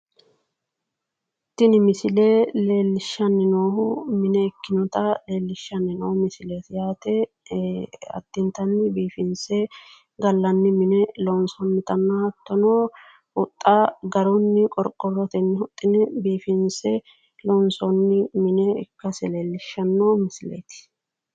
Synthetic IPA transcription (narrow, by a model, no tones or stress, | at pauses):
t̪ːɪnɪmɪsɪleːleːlːɪʃːɐnːɪnoːhʊmɪnɛːkːɪnɔt̪ɐle̞ːlːɪʃːɐnːɪnoːmɪsɪleːt̪jaːt̪ɛ | ɐ̰d̪̥ːɪnt̪ɐnːɪbiːfɪnsɛ | ɡɐlːɐnːɪmɪnɛlɔnsɔnmɪt̪ʼɐnːɐhɐt̪ːɔnoː | hʊt̪ʼːaɡɐɾɔnːɪkʼɔɾkʼːɔrːɔt̪ɛnːɪhʊt̪ʼːɪnɛbiːfɪnsɛ | lɔnsɔnːɪmɪnɛɪ̰kːɐsɛle̞ːlːɪʃːɐnːoːmɪsɪlḛjt̪ɪ̥